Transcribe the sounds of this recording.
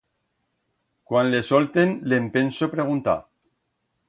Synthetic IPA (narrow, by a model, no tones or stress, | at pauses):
kwanlesɔlt̪enlempensopɾeɣ̞unt̪a̰